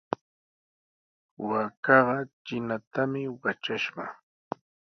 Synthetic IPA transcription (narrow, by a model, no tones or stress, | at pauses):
wakɑɢɑt͡ʃɪnat̪amɪwat͡ʃaʃɢɑ̰